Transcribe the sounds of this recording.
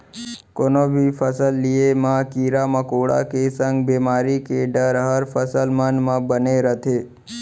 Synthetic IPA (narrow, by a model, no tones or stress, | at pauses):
konobʱifəsəlːiemãkiɾaməkoɽa̰kesə̃ŋɡbemaɾikeɖəɾɦəɾfəsəlmənmãbəneɾət̪ʰe